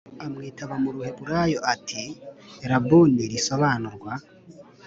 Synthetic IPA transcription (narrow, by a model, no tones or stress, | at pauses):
amŋiːtaβamuɾuhe̞βuɾaːjo̞ʔatʰiɾabuneɾiso̞βaːnuɾɡwa